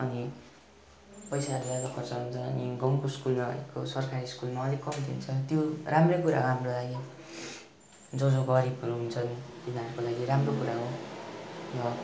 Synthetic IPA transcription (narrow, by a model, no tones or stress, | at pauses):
ʌni | pʌjsaɦʌɾulabʌkʰʌrt͡sʰʌɦunt͡sʰʌʌ̰niɡʌŋkoskulmaʌ̰ḛkosʌrkʰaɾiskulmaʌlekʌmt̪iunt͡sʰʌt̪joramrekuɾa̰ɦoɦamrolaɡi | d͡zʌd͡zobʌɾibʌɾuɦunt͡sʰʌnt̪inʌɾukolaɡiɾamrokuɾaɦo | rʌ